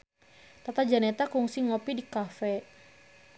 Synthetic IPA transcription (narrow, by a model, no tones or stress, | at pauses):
t̪at̪ad͡ʒanɛt̪akuŋsiŋɔpidikafɛ